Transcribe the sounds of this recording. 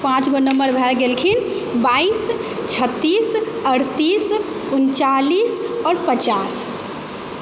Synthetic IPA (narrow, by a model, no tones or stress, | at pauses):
pãt͡ʃɡonəmbəɾbʱɛlɡelkʰin | baist͡ʃʰət̪ːisəɾt̪is | unt͡ʃalisɔːɾpət͡ʃas